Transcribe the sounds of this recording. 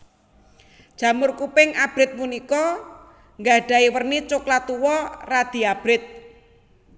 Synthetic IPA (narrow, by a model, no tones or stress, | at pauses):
d̥ʒ̥ä̤mʊrkupɪŋab̥ɾɪt̪̚munikɔ | ŋɡaɖ̥a̤iwərnit͡ʃʊklat̪uwɔrad̪̥i̤ab̥ɾɪt̪̚